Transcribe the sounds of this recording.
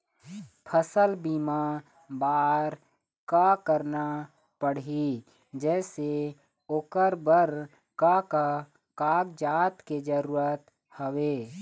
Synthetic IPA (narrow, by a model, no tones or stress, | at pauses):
pʰəsəlbiːma | baːɾ | kakəɾna | pəɽi | d͡ʒɛːse | oːkəɾbəɾ | kaka | kaːɡd͡ʒaːt̪ked͡ʒəɾuːɾət̪ | həweː